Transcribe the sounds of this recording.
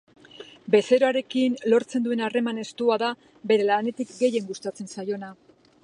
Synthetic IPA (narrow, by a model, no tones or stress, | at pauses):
be̞se̞ɾoaɾe̞kinlo̞ɾt͡se̞nd̪ue̞nare̞mane̞st̪uaða | be̞ɾe̞lane̞t̪ikɡe̞je̞ŋɡust̪at͡se̞nsajo̞na